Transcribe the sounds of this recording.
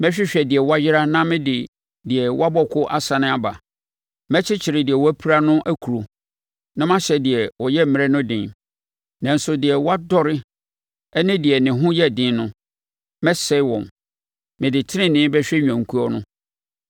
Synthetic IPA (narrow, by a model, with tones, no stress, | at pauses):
mɛ˦ɕᶣɪ˦ɕᶣɛ˨dɪ˨ɛ˨wa˦jɪ˦ɾa˦nã˦mɪ̃˦dɪ˨ | dɪ˨ɛ˨wa˦bɔ˦kʰʊ˦ʔa˦sã˨nɪ̃˦a˨ba˨ | mɛ˦t͡ɕʰɪ˦t͡ɕʰɪ˨ɾɪ˨dɪ˨ɛ˨wɔ˦æ˦pʰi˦ɾa˦nʊ̃˦ʔæ˦kʰu˨ɾo˨ | nã˦mã˦ɕɛ˨dɪ˨ɛ˨wɔ˨jɛ˦˨mɪ̃˨ɾɛ˦nʊ̃˦dɪ̃˨n | nã˨n̩˨sʊ˨dɪ˨ɛ˨wa˦dɔ˦ɾɪ˦ | ɛ˦nɪ̃˦dɪ˨ɛ˨nɪ̃˨ɦʊ̃˦jɛ˦˨dɪ̃˦n˦nʊ̃˦ | mɛ̃˦sɛ˦wɔ̃˨m | mɪ̃˨dɪ˨tʰɪ˦ɾɪ̃˦nɪ̃˦bɛ˦ɕᶣɛ˦ɲᶣ˨ã˨ŋ̩˨kʰu˦ɔ˦nʊ̃˦